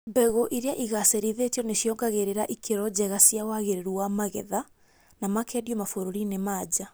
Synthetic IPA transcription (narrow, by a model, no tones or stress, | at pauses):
mbɛɣoʔiɾeaʔiɣaseɾiðetiɔneɕjɔːŋɡaɣeɾeɾaʔikʰeɾɔd͡ʑɛɣasiawaɣeɾeɾuamaɣɛ̰ða | namakɛːdiɔmafoɾoɾinemaːd͡ʑa